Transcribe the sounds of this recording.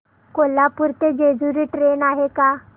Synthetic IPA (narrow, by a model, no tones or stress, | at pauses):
kolapuɾt̪ed͡ʒed͡zuɾiʈɾeːnaːɦekaː